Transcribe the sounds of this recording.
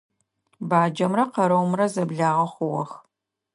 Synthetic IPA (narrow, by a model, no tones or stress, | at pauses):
baːd͡ʒɐmrɐqɐɾɐwmrɐzɐbɮaːʁɐχʷʊwɐ̰x